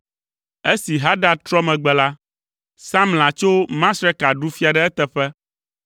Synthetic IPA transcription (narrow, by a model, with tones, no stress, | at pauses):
e˦si˨ɦa˦ɖa˨t̪ɾɔ˦mɛ̃˨ɡ͡bɛ˨la˦ | sã˦ml̃ã˨t͡ʃo˦mã˦sɾɛ˦ka˨ɖu˦fi˦a˨ɖɛ˦ɛ˦t̪ɛ˨ɸɛ˦